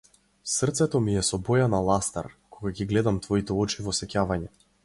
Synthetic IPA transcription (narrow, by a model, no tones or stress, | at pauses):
sr̩t̪sɛt̪ɔmijɛsɔbɔjanalˠast̪a̰ɾkʰɔɡaɡiɡlɛd̪amt̪vɔit̪ɛɔt͡ʃivɔsɛcavaɲɛ